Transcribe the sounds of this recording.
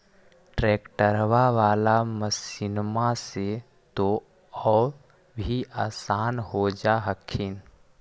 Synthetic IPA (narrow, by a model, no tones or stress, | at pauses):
ʈɾeːkʈəɾʋaʋaːlaməsɪnmase | t̪o | ɔː | bʱiaːsaːnɦod͡ʒaɦəkʰin